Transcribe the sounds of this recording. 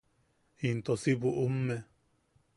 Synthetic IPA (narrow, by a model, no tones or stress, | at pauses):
int̪osiβuʔumːe